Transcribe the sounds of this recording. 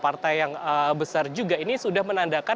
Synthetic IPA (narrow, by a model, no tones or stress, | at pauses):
part̪ajːaŋəbəsard͡ʒuɡainisudahmənandaka